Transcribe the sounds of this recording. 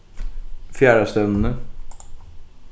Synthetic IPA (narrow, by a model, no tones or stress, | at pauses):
fjæːɾast̪œnn̩ə